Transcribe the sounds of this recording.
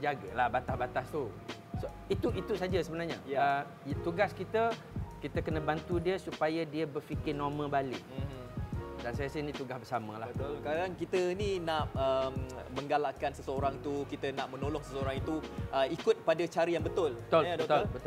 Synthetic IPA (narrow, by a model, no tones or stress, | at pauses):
d͡ʒaɡalahbat̪ahbat̪ast̪u | so | it̪uit̪usad͡ʒasəbənarɲa̰ə | t̪uɡaskit̪ə | kit̪əkənə̃bant̪udiəsupajadiəbərfikɪnomə̃balɪʔ̩̚ | dansajasajənĩt̪uɡasbərsamə̃laət̪ʊlkadaŋkit̪əninãʔəmmə̃ŋɡalaʔkansəsəoɾaŋt̪ukit̪ənaʔmənolɔŋsəsəoɾaŋit̪uʔəikʊt̪̚padat͡ʃaɾəjaŋbət̪ʊlət̪olbt̪olbət̪